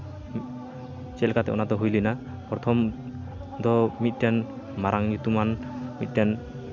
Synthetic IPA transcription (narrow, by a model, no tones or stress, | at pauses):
t͡ʃɛlkat̪ɛɔ̰nat̪ɔɦujlina | pɾɔt̪ʰɔm | d̪ɔmit̪̚djan | maɾʔaŋɲit̪umanmit̪̚dian